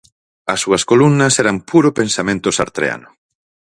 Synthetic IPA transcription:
ɐsːuɐskolumnɐsɛɾɐmpuɾopẽnsamẽnt̪osa̰ɾt̪ɾḛa̰nʊ

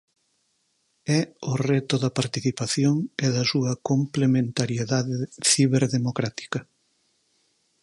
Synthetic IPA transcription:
ɛʊret̪ʊðɐpaɾt̪iθipaθjoŋɛðɐsuɐkomplemẽnt̪aɾjeðaðeθiβeɾðemokɾat̪i̥kɐ

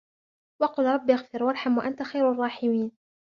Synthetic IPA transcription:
wɑqʊlɾˤɑbːiʔaɣfɪɾwɑɾˤħamwaʔant̪axajɾɑrˤːɑːħɪmiːn

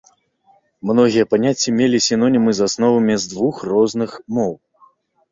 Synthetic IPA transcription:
mnɔɣʲijɐpanʲat͡sʲːimʲelʲisʲinɔnʲimɨzasnɔvɐmʲizd̪vuxrɔznɨxmɔw

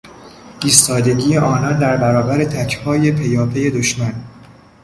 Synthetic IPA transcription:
ʔiːst̪ɒːd̪e̞ɡiːjeʔɒːnɒːnd̪æɾbæɾɒːbæɾe̞t̪ʰæcʰhɒːje̞pʰe̞jɒːpʰe̞je̞d̪o̞ʃmæn

